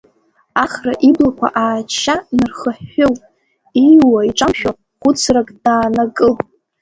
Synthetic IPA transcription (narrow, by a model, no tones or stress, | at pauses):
aχraʔiblakʷʰa̰ʔaːt͡ʃʰːanɨrχəħːʊwʼ | ijwaiʈ͡ʂʼamʃᶣa | χʷʊt͡sʰrakʼd̥aːnakʼɨl